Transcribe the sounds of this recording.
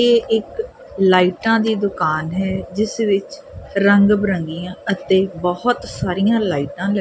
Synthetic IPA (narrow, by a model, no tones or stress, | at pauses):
eːʔɪk | laːiːʈãːd̪iːd̪ʊkaːnɦɛːd͡ʒɪsʋɪt͡ʃɾəŋɡbəɾə̃ŋɡijãːət̪eːbɔhɔt̪saːɾijãːlaːiːʈãːl